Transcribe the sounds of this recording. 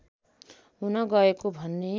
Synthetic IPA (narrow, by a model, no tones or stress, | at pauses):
unʌɡʌekobʱʌnːe